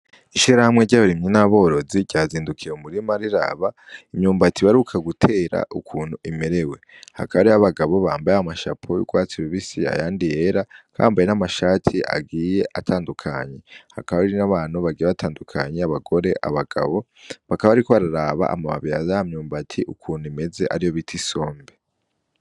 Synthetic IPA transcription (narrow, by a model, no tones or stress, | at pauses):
iʃiɾɾahamŋe̞ɟaβaɾimɲinaβo̞ɾo̞ziɟ̥aːziːndukʰiɾeumuɾimaɾiɾa̰βaimɲuːmbatiβaɾukʰaɡutʰe̞ːɾa̰ukʰuːn̥huʔime̞ɾe̞we̞ | ha̰kaβaɾiaβaɡaβo̞βaːmbajaamaʃa̰pʰojṵɡwaːt͡siɾoβisia̰jaːndije̞ɾakʰaa̰ːmbajenamaʃaːtʰiʔa̰ɡije̞ʔatʰaːndukʰaɲe̞hakaβaiɾinaβaːnuβaɡiːjeβatʰaːndukʰaɲeaβaɡo̞ɾe̞ʔa̰βaɡ̥a̰βo̞ | βakaβaβaɾikoβaɾaɾaβa̰ʔa̰maβa̰βijazaamɲuːmbatʰiʔukʰuːn̥uime̞ze̞ʔaɾijo̞βitʰiso̞ːmbe